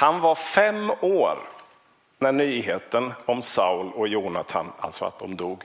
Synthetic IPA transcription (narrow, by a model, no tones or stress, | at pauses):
hanvaɾfɛmoːɾ | næɳyːɦeːt̪ənɔmsaʊlɔjuːnat̪ʰa̰na̰lt̪sɔa̰t̪̚d̪ɔmd̪uːɡ